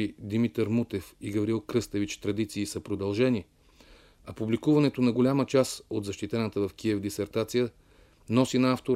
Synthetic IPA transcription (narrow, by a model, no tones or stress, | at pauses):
id̪imit̪əɾmut̪ɛfiɡɐvɾiilˠkɾɤst̪əvit͡ʃt̪ɾɐd̪it̪siːsəpɾod̪ɐlˠʒɛni | ɐpublikuvɐnɛt̪onɐɡolʲamət͡ʃasod̪zɐʃt̪it̪ɛnət̪əvɐfkiɛvd̪isɛɾt̪at̪sijə | nɔsinɐaft̪o